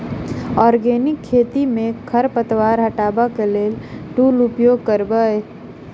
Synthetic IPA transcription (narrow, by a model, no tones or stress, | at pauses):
ɔːɾɡeːnɪkʰːeːt̪imẽkʰəɾpət̪waːɾɦəʈaːbakeleːlʈuːlʊpjoːɡ̚kəɾbəe